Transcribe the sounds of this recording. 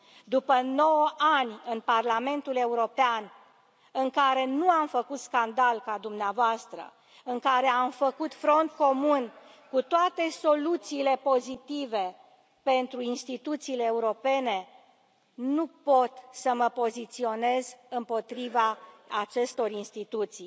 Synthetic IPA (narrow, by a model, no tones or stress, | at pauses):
d̪upəno̞wəʔanʲɨnparlame̞nt̪ule̞uɾo̞pean | ɨŋkaɾe̞nuamfəkut̪skand̪alkad̪umneavoast̪ɾə̰ | ɨŋkaɾe̞amfəkut̪fɾo̞nt̪̚ko̞mun | kut̪oat̪e̞so̞lut̪siːle̞po̞zit̪ive̞ | pe̞nt̪ɾuinst̪it̪ut̪siːleːuɾo̞pe̞ne̞ | nupot̪səməpo̞zit̪sio̞ne̞zɨmpo̞t̪ɾivaat͡ʃe̞st̪o̞rinst̪it̪ut̪si